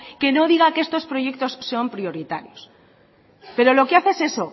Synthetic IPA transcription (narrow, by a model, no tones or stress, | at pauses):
ke̞no̞ðiɣakee̞st̪o̞spɾo̞je̞k̚t̪o̞sːo̞mpɾjo̞ɾit̪aɾjo̞s | pe̞ɾo̞lo̞keaθese̞so̞